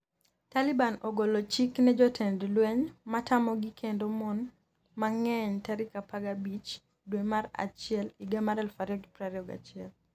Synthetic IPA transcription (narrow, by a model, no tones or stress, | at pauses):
talibanɔɡolot͡ʃiknɛd͡ʒɔtʰɛndlwɛɲmatamɔɡikʰendomɔn | maŋɛɲtaɾikapaɡabit͡ʃ | dwemaɾa̰t͡ʃɪɛliɡamaɾɛlfaɾɔɡpɾaɾiɔɡa̰t͡ʃɪɛl